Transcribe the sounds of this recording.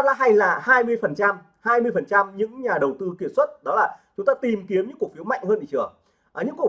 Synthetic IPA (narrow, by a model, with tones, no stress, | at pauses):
la̰ː˧˦ɦa˧jlaː˨˩haː˧jmɨ˧əjfə˨˩nt͡ɕa˧m | haː˧jmɨ˧əjfə˨˩nt͡ɕa˧mɲɨ̰˧˥ŋɲaː˨˩ɗə˨˩wt̪ɨ˧ki˧˩ət̚swə˦˥t̚ɗɔ˨˦laː˨˩t͡ɕʊ˨˦ŋ͡mt̪aː˧t̪i˨˩mki˨˦əmɲɨ̰˧˥ŋku˨˩ək̚fi˨˦əwma̰˧˨jŋ̟həː˧nʔḭ˧˩t͡ɕɨ̰˧˩ə | ʔəː˨˩ɲɨ̰˧˥ku˨˩